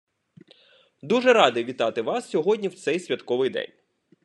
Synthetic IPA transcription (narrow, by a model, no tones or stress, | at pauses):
d̪uʒɛɾɑd̪ɪʋʲit̪ɑt̪ɪʋɑssʲɔɦɔdʲnʲiwt̪sɛjsʲʋʲɐt̪kɔʋɪjd̪ɛ̰nʲ